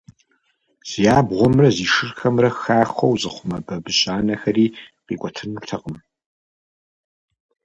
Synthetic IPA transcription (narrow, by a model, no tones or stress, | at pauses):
z̥ijaːbʁʷɔmrɐziːʂɨrxɐmrɐxaːχʷɐwzɨχʷʊmɐbɐbɨɕʼaːnɐxɐriːqḭːkʷʼɔtʰɨnurtʰɐqʼəm